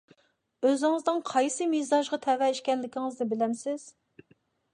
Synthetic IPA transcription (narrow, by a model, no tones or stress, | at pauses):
øzɪŋɨzd̪ɨŋqʰɑjsɨmezɑʒʁɑt̪ʰɛwɛiʃkʲɛnlɪkʲiŋɨzd̪ɪbɪlɛmsɪz̥